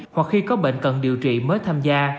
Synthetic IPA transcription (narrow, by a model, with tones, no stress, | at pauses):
hwa˨˩k̚xi˧kɔ˨˦ɓḛ˧˨ŋ̟kə˨˩nɗi˨əwt͡ɕḭ˧˨məː˨˦jt̪ʰaː˧mzaː˧